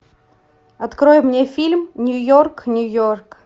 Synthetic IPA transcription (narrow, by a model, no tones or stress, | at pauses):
ɐt̪kɾojʊmnʲefʲilʲmnʲʊjorknʲʊjork